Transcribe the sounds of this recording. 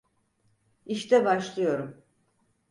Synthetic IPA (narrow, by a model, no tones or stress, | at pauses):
iʃt̪ɛbaʃlˠɯjo̞ɾum